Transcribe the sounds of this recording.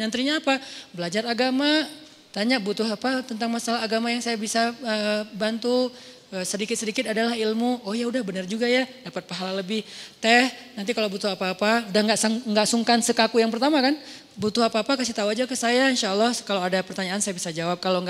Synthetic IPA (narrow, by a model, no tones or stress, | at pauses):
nənt̪ɾiɲaːpabəlad͡ʒaraɡama | t̪aɲaʔbut̪ʊɦapat̪ənt̪aŋmasalaɦːɡamajaŋsajabisaəbant̪u | əsədikɪt̪sədikɪt̪adalahilmuojaudahbənərd͡ʒuɡajadapət̪̚paɦalaləbɪht̪ɛhnant̪ikalowbut̪ʊɦapaːpaudahŋɡaʔsaŋŋɡaʔsuŋkansəkakujaŋpərt̪amakan | but̪ʊɦapaːpakasit̪auad͡ʒakəsajainʃaəlːɑhkalawadapərt̪aɲaːnsajabisad͡ʒawap̚kaloŋɡ